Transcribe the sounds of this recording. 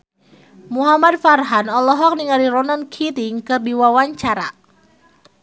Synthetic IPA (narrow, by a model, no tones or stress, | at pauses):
muɦamad̚farɦanɔlɔɦɔk̚niŋaliɾɔnankʰit̪iŋkərdiwawaɲt͡ʃaɾa̰